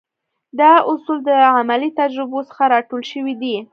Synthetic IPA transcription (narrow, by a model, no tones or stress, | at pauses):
d̪ɑʊsuld̪əamalit̪ad͡ʒɾɪbosə̥xaɾɑʈolʃəwid̪i